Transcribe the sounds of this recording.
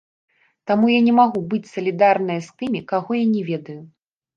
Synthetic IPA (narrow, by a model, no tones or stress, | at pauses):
t̪amujanʲɛmaɣubɨt͡sʲsɐlʲid̪arnɐjɐst̪ɨmʲikaɣɔjanʲɛvʲɛd̪ɐju